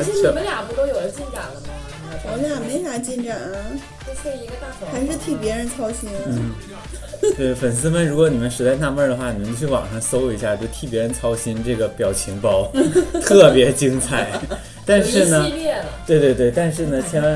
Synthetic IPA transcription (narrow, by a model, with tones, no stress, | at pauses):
ə˧˥nlja˨˩pu˧˥˩t̪o˥ʊjo˨˩ʊ˧˦t͡ɕi˥˧nʈ͡ʂa˥˨˩lə˩nə˨˧ | ɔ˧˥lja˨˩me˧˥ɪɕa˥˩t͡ɕi˥˧nʈ͡ʂa˥˩n˩ | o˥˧ʂɛ˥˩i˧˥ɡə˧t̪a˥˩˧xa˧˥ʂ̬ɻ̩˥˧t̪ʰi˥˩pjɛ˧˥ɻə˧˥nt͡sʰɑ˥ʊɕi˥nnn̩˥˩ | t̪we˥˩ɪ˩fə˨˩ns̬ɹ̩˥mə˨nɻu˧˥kwɔ˧˥ni˨˩mə˦nʂɻ̩˧˥t͡sa˥˧ɪna˥˧mə˥˩də˩xwa˥˩ni˨˩ə˦nt͡ɕo˥˧t͡ɕʰwɑ̰˨˩ŋʂɑ˥˧ŋso˥ʊ˧˩i˧˥ɕja˥˧˩t͡ɕjo˧ʊt̪ʰi˥˩pjɛ˧˥ɻə˧˥nt͡sʰɑ˥ʊɕi˥nʈ͡ʂɤ˥˩ɡə˩pjɑ˨˩ʊt͡ɕʰi˧˥ŋpɑ˥ʊt̪ʰɤ˥˩pjɛ˧˥t͡ɕi˥ŋt͡sʰa˨˩˦ɪ | t̪a˥˧nʂɻ̩˥˩nə˩ɛ˥˩t̪we˥˧ɪt̪we˧t̪we˥˩ɪt̪a˥˧nʂɻ̩˥˩nə˩t͡ɕʰjɛ˧˥nwa˧˥